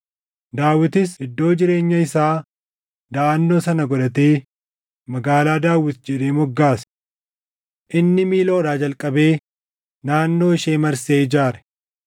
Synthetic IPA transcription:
d̪aːwɪt̪ɪsɪd̪ːo̞ːd͡ʒɪɾe̞ːɲːɐɪsaː | d̪aːnːo̞ːsɐnɐɡɔᶑ̪ɐt̪eː | mɐɡaːlaːd̪aːwɪt̪d͡ʒɛᶑ̪eːmɔɡːaːsɐ̥ | ʔɪnːɪmiːloːɾaːd͡ʒɐlkʼɐbe̞ː | naːnːo̞ːɪʃeːmɐɾseːɪd͡ʒaːɾɛ̥

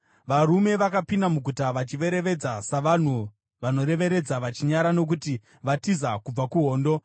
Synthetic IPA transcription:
ʋaɾume̞ʋakapindamuɡʱutaʋat͡ʃiʋe̞ɾe̞ʋe̞d͡zasaʋan̤u | ʋano̞ɾe̞ʋe̞ɾe̞d͡zaʋat͡ʃiɲaɾanok̬uti | ʋatizakub͡vakuɦo̞ːndo̞

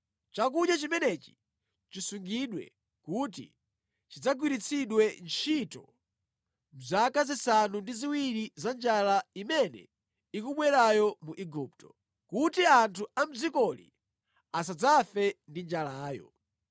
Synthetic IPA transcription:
t͡ʃak̬uɗjat͡ʃimɛnɛt͡ʃi̥ | t͡ʃisuŋɡiɗwɛ̰ | kutḭ | t͡ʃid͡zaɡwiɾit͡sʰiɗwɛnt͡ʃʰitɔ̰ | m̩zakazisanundiziwiɾizand͡ʒalaimɛnɛ̰ | ikuɓwɛɾajɔmuʔiɡup̚tɔ̥ | kutiantʰuam̩zikɔlḭ | as̬ad͡zafɛndind͡ʒalaːjɔ̰

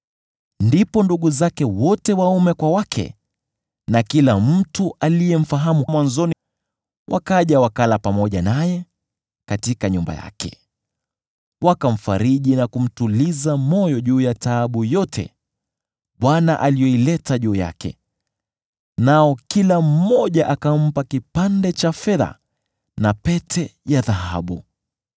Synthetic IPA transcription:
ndipɔnduɠuzakɛwɔtɛwaumɛkwawakʰɛ̰ | nakilam̩tuʔalijɛm̩faɦamumwanzɔni | wʔa̰kaʄawakalapamɔʄanajɛ | katikaɲumba̰ja̰kɛ̰ | wakam̩faɾiʄinakum̩tulizamɔjɔʄuːjataːɓujɔtʰɛ̰ | ɓwanaʔalijɔilɛtaʄuːja̰kɛ̰ | naɔkilam̩ːɔʄaʔakam̩pakipandɛt͡ʃafɛða̰ | napɛtʰɛjaðaɦa̰ɓu

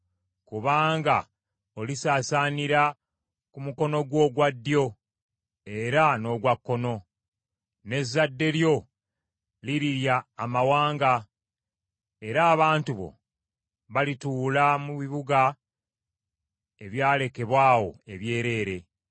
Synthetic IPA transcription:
kuβaːŋɡa | o̞lisaːsaːniɾa | kumuko̞no̞ɡwo̞ːɡwad̪ːjo̞ | e̞ɾano̞ɡwakːo̞no̞ | ne̞zːadːe̞ljo̞ | liɾiɾjaːmawaːŋɡa | e̞ɾaːβaːntuβo̞̰ | βalituːlamuβiβuɡa | e̞βjaːle̞ke̞βwaːwo̞̰e̞βje̞ːɾe̞ːɾe̞

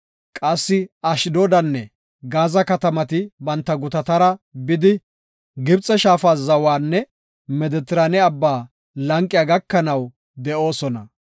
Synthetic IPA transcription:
kʼɐsːɪɐʃɪd̪ɔd̪ɐnːɛ | ɡaːzɐkɐt̪ɐmɐt̪ɪbɐnt̪ːɐɡʊt̪ɐt̪ɐɾɐbɪd̪ɪ | ɡɪbt͡sʼːɛʃaːfaːzɐwaːnːɛ | mɛd̪ɛt̪ɪɾaːnɛɐbːaː | lɐŋkʼːɪjaːɡɐkːɐnɐw | d̪ɛʔo̞ːsɔnɐ

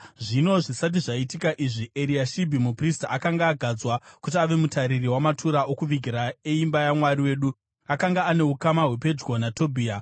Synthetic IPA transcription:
ʐino̞ʐisat̬iʐaitikaʔiʐiʔeɾiaʃibʱimupristaakaŋɡaːɡʱad͡zwakut̬iaʋe̞mutaɾiriwamatʰuɾao̞kuʋiɡʱiɾaeimbajamwariwe̞ːɗu | akaŋɡaːne̞ukamaɦwe̞pe̞d͡ʒɡo̞nato̞bʱiːa

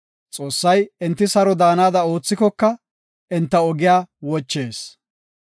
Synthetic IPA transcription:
t͡sʼo̞ːsːɐjɪnt̪ːɪsɐɾɔd̪aːnaːd̪ɐo̞ːt͡sːɪkɔkːɐ | ʔɪnt̪ːɐɔɡɪjaːwɔt͡ʃːe̞ːs

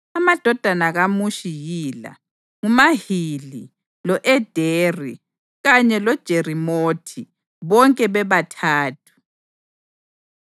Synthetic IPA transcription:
amad̥ʱɔd̥ʱanaɣamuʃijiːla̰ | ŋumahili | lɔʔɛd̥ʱeːri | ɣaɲɛlɔd̥ʒ̥ʱerimoːtʰi | βɔŋkʼɛβɛβatʰaːtʰu̥

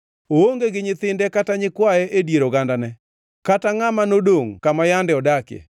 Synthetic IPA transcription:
ooŋɡeɡɪɲɪt̪ɪndɛkataɲɪkwaɛʔedjeɾoɡandanɛ | kataŋamanodoŋkamajandɛɔdakḛ

